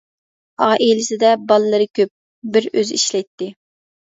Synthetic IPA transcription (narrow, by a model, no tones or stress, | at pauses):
ɑʁɑʔejlɪsɪd̪ɛbɑlˠlɨɾɨkʲʰøp̚ | bɪɾøziʃlɛjt̪ːɪ